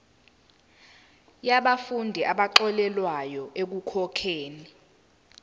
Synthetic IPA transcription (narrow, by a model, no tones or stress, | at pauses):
jaɓafundʱiʔaɓaǃɔlɛlwajɔʔek̬ukʰɔkʰeːni